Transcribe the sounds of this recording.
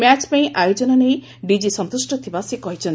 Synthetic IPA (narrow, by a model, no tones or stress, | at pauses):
mat͡ʃpaĩʔajod͡ʒɔnɔnej | ɖid͡ʒisɔnt̪usʈɔt̪ʰibasikɔɦit͡ʃʰɔn